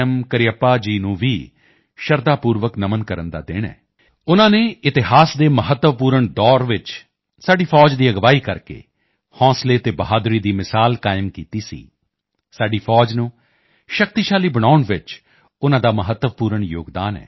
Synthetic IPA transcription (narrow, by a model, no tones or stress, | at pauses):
mkəɾɪjəpːaːd͡ʒiːnũːʋiː | ʃəɾd̪aːpuːɾʋəknəmənkəɾənd̪a̰ːd̪ɪ̰ːɳɛ̰ː | ʊnãːneːɪt̪ɪɦaːsd̪eːməɦət̪ːəʋpuːɾəɳd̪ɔːɾʋɪt͡ʃ | saːɖiːpʰɔːd͡ʒd̪iːəɡʋaːiːkəɾkḛː | hɔ̃ːsleːt̪eːbəɦaːd̪ɾiːd̪iːmɪsaːlkaːɪmkiːt̪iːsḭː | saːɖiːpʰɔːd͡ʒnũː | ʃək̚t̪iːʃaːliːbəɽ̃aːʊɳʋɪt͡ʃ | ʊnãːd̪aːməɦət̪ːəʋpuːɾəɳjo̰ːɡd̪a̰ːnɛ̰ː